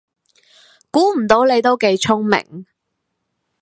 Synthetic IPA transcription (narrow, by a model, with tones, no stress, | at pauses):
kuː˨˥m̩˨˩t̪o˨˥wle˨˧jt̪o˥wke˨˧jt͡sʰʊ˥ŋmɪ̰˨˩ŋ